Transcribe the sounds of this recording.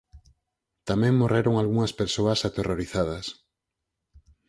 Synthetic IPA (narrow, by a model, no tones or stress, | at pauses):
t̪amẽŋmoreɾoŋalɣuŋɐspeɾsoasat̪erʔoɾiθað̞ɐs